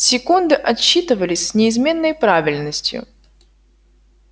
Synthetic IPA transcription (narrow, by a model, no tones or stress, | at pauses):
sʲɪkund̪ɨʔɐɕːit̪ɨvəlʲɪsʲsʲnʲɪɪzmʲe̞nːəjpɾavʲɪlʲnəsʲtʲjʊ̰